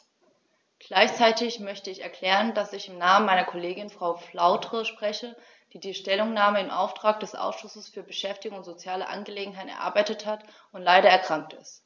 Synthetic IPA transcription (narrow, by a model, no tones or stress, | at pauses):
ɡ̥laɪçt͡saɪtɪçmœçtəɪçɛɐkʰl̥ɛːʁəndasɪçɪmnaːmənmaɪnɐkʰoleːɡɪnfʁ̥aʊflaʊtʁ̥əʃpʁ̥ɛçə | d̥iːdiːʃtɛlʊŋnaːməɪmʔa̰ʊftʁ̥aːk̚d̥ɛsʔa̰ʊsʃʊsəsfyːɐbəʃɛftɪɡoŋʊntz̥ot͡sjaːləʔa̰nɡəleːɡŋ̩ɦaɪtn̩ɛɐʔa̰ɐbaɪtəthat | ʊntlaɪɾɐɛɐkʁ̥aŋk̚tɪ̰st